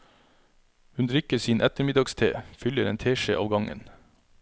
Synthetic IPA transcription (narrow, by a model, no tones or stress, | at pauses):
hʉnd̪ɾʏkəsiːnʔɛt̪əɾmɪd̪ɑɡst̪ʰḛːfʏləɾeːnt̪ʰeːʃeːʔɑ̰ʋɡɑŋə̰n